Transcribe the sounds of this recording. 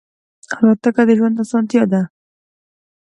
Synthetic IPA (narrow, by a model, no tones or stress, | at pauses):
alɑt̪akad̪əʒwand̪asɑnt̪jɑd̪a